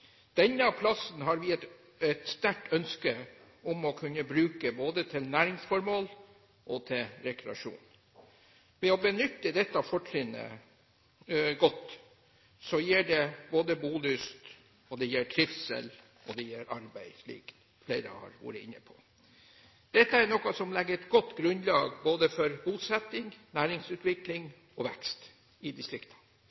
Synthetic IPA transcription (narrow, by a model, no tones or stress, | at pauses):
d̪̥ɛnːəɑpʰlɑsnɦɑɾʋɪɛt̪ | ɛt̪st̪æʈœnskə | ʊmɔkʰʉnːəbɾʉːkəboːd̪ət̪ʰɪlnæːɾɪŋsfɔɾmoːl | ʔɔt̪ʰɪlɾɛkɾɛɑʂṵːn | ʋɛɔbənʏt̪ːəd̪ɛt̪ːɑfɔʈɾɪnə̰ | ɡɔt̪ː | sɔjiːɖɛboːd̪əbuːlʏst̪ | ɔd̪ɛjɛːʈʰɾɪfsɛ̰l | ɔd̪ɛjiːɾʔɑɾbæɪslḭːɡn | fleɪɾə̰hɑ̰ɾʋɑ̰ːɾəɪnːəpʰɔ̥ | d̪̥ɛt̪ːəæɾnɔkɑsɔmlɛɡːəɾɛt̪ɡɔt̪ːɡɾʉnd̪lɑːɡboːd̪əfɔɾbuːsɛt̪ːɪŋnæːɾɪŋsʉːt̪ʋɪklɪŋ | ɔʋɛkst̪ | ɪd̪ɪst̪ɾɪkt̪ʰɑ̥